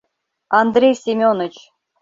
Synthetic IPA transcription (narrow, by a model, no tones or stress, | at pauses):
ɑnd̪rʲejsʲimʲonə̆t͡ɕ